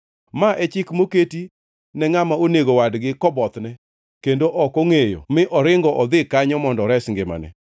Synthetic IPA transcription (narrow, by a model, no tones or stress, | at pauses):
maʔɛt͡ʃɪkmoketi | nɛŋamaoneɡowadɡɪkɔbɔt̪nɛ | kendoʔɔkoŋejo̰mɪʔɔɾɪŋɡɔʔɔd̪ɪkaɲɔmɔndɔɾɛsŋɡɪma̰nɛ̰